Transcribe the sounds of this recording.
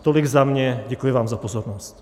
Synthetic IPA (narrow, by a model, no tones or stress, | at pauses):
t̪oliɡzamɲɛɟɛkujɛvaːmzapozoɾnost